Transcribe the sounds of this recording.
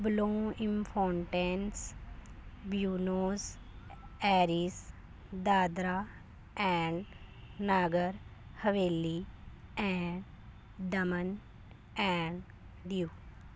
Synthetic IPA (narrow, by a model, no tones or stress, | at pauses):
blõːɪ̃mpʰõːɳʈẽns | bjuːnoːz | ɛːɾiːs | d̪aːd̪ɾaː | ɛ̃ːɳɖ | naːɡəɾhəʋeːliɛ̃ːɳɖ | d̪əmən | ɛ̃ːɳɖ | ɖijuː